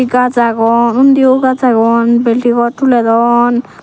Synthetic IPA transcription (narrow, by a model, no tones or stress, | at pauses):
iɡad͡zaɡɔnund̪ioɡad͡zaɡɔnbelʈikɔʈʰulɛd̪ɔn